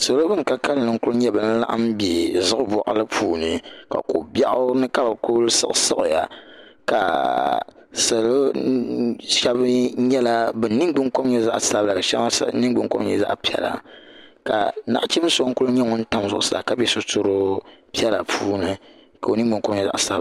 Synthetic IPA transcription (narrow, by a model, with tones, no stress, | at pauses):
so˨lo˦bɨ˦mka˦ka˦lɨ˦˨nɨ˨˦ŋ˦kʊ˦lɲɛ˦bɨ˨n̩˦la̰˦ʔa̰˦mbe˨zɨ˦ʊ˦bɔ˨ʔa˨lɨ˦pʰuː˨nɨ˨ka̰˨ko˨bja˦ʔʊ˦nɨ˦ka˦ba˨kʊ˦lsɨ̰˦ʔsɨ̰˦ʔja̰˨ka˨ | sa˨lo˦ | ʃɛ˦bɲɛ˦la˦bɛ˨nɨ˦ɡ͡bɨ˦ŋko˦m˦ɲɛ˦za̰˦ʔsa˦bla˨ʃa˦ma˦nɨ˦ɡ͡bɨ˦ŋko˦mɲɛ˨za̰˦ʔpi˦ɛ̰˦la̰˨ka̰˨na˦ʔt͡ʃɛ˦m˦sʊ˦o˦ŋ̩˦kʊ˦lɲɛ˦ŋɔ˦n̩˦ta˦mzʊ˦ʔʊ˦sa̰˨ka˦bɛ˦sʊ˦to˦ɾo˦pi˦ɛ˦la˨pʰuː˦nɨ˨ | ka˨o˨nɨ˦ɡ͡bɨ˦ŋko˦mɲɛ˦za̰˦ʔsa˦b